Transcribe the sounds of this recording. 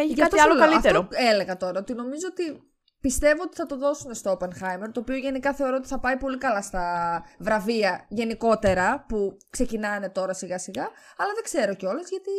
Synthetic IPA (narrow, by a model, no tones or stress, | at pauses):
eçʝɐɐt̪osɐloleɐlliɐft̪eɾoele̞ɣɐt̪o̞ɾɐot̪ino̞mizoot̪i | pist̪e̞voot̪i̥θɐt̪o̞ðo̞sune̞st̪oopenxɐjmeɾt̪oːpioʝe̞nikɐθe̞o̞ɾoot̪i̥θɐpɐipo̞likɐlɐst̪ɐvɾɐviɐʝe̞niko̞t̪e̞ɾɐpukse̞cinɐne̞t̪o̞ɾɐsiɣɐsiɣɐ | ɐlɐðeɡ̥ze̞ɾo̞ceo̞le̞zʝɐt̪i